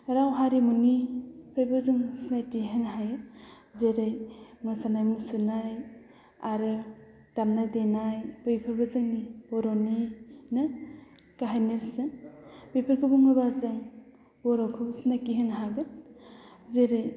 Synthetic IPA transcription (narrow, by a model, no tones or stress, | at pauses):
ɾawɦaɾimunipʰɾajbɯzɯŋsnajtiɦenɦajɯ | zeɾɯjŋɯsanajmusɯnaj | aɾɯ | damnadenajbɯjpʰɯɾbɯzɯŋnibɔɾɔnɯjnɯ | kaɦajneɾsɯbejpʰɯɾkʰɯbɯŋɯbazɯŋ | bɔɾɔkʰɯbsnakiɦenɦabɯ | zeɾɯj